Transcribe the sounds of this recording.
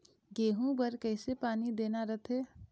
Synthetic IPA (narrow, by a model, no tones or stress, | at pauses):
ɡeːɦũbəɾkəːɪsepaːnid̪eːnaɾət̪ʰeː